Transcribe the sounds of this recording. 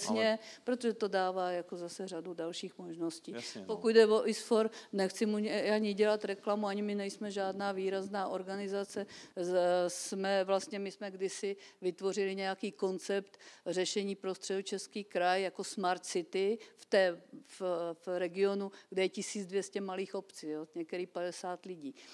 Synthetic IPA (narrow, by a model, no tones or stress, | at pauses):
sɲɛpɾot̪oʒɛt̪o̞daːvaːjako̞zasɛr̝adudalʃiːxmoʒnosciːpokud̪dɛvoʔɪsfoɾnɛxt͡sɪmuɲɛaɲɪɟɛlat̪ɾɛklamuaɲɪmɪnɛjsmɛʒaːdnaːviːɾaznaːʔo̞ɾɡanɪzat͡sɛ | smɛvlast̪ɲɛmɪsmɛɡdɪsɪvɪt̪vo̞rɪlɪɲɛjakiːko̞nt͡sɛpt̪rɛʃɛɲiːpɾo̞st̪r̥ɛdut͡ʃɛskiːkɾajːako̞smaɾt̪sɪt̪ɪft̪ɛːffɾɛɡɪo̞nuɡdɛjɛcɪsiːd͡zdvjɛscɛmaliːxo̞pt͡sioɲɛkt̪ɛɾiːpadɛsaːt̪lɪɟiː